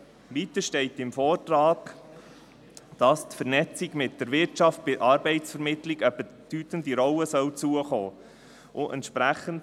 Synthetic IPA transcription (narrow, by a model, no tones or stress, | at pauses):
ʋit̪əʃtɛɪtɪmfɔːrtrɑːɡ̥ | d̥ɑst̪fəɾnɛt͡sɪɡmɪt̚d̥əɾʋɪɾtt͡ʃɑft̚b̥ɪʔɑːɾbɛɪtsfɛɾmɪtlɪɡœbəd̥yːt̪əndiɾɔwəsœwt͡suəχoː | ʔʊʔɛ̰ntʃpɾæχənt